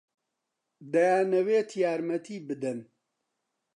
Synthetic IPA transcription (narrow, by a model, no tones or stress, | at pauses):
d̪ɐjaːnɐweːt̪ʰjaːɾmɐt̪ʰiːbɨd̪ɛn